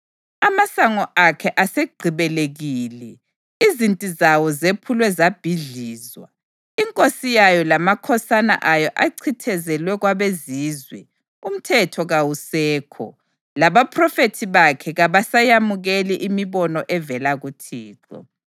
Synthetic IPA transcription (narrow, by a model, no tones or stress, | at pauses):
amasaŋɔʔakʰɛʔaseɡ͡ǃʱiβɛleɣiːlɛ | izintʼizawɔzepʰulwɛzab̥ʱiɮiːzwa | iŋkʼosijajɔlamakʰɔsana̰ʔajɔʔaǀʰitʰɛzɛlwɛɣwaβeziːzwɛ̰ | um̩tʰɛtʰɔɣawusɛːkʰɔ̰ | laβapʰrɔfetʰiβakʰɛɣaβasajamuɣeliʔimiβɔnɔʔɛvɛlaɣutʰiːǁɔ̰